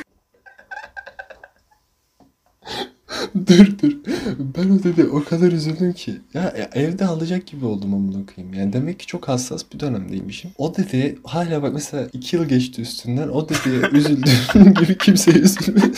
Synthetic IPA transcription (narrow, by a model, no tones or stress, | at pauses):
d̪yɾd̪yɾbæno̞d̪ed̪ɛʔo̞kʰad̪aɾyzylʲd̪ymcʰijaʔʔɛvd̪ɛalˠad͡ʒak̚ɟibio̞lˠd̪umamunˠukʰɯjɯmjaːnid̪e̞mɛccːi̥t͡ʃʰo̞khasːa̰sbid̪ø̞næmd̪ejḭmiʃimo̞d̪ed̪ɛhaːlʲaːbakmɛselʲaːʔicʰijɯlˠɟɛt͡ʃt̪ʰiyst̪ʰynd̪æno̞d̪ed̪ɛyzylʲd̪iɟibicʰimsɛyzylʲmi